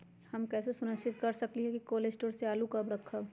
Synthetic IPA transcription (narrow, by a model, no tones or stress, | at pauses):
hɐmkɛːsesʊnəʃɪt̪̚kɐɾsɐkliɦɛkikoːleːsʈoːɾseaːlukɐbɾɐkʰːa